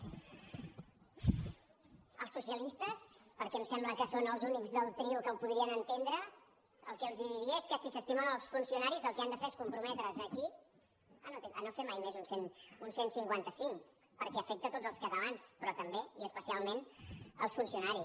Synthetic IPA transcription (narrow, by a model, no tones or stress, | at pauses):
əlˠsːusiəlist̪əspəɾkɛmsɛmbləkəsonəlˠzunikzðəlˠt̪ɾiukəlˠpuðɾiənənt̪end̪ɾə | əlˠkɛəlˠziðiɾiəeskəsisəst̪imənəlˠsfunsiunaɾizəlˠkɛand̪əfeɾeskumpɾumɛt̪ɾəzəki | ənot̪eənofɛmajmɛzunsenunsensiŋkwant̪əsiŋk | pəɾkɛəfɛk̚t̪ət̪odd͡zəlˠskəðəβanspɾɔt̪əmbeiəspəsialˠmenə̰lˠsfunsiunaɾi